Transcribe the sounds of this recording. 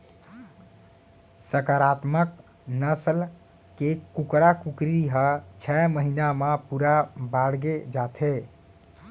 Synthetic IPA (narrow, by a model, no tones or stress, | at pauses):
səkaɾat̪mək | nəsəl | kekːukɾakukɾiɦət͡ʃʰɛməɦinamepuɾabaɽɡed͡ʒat̪ʰe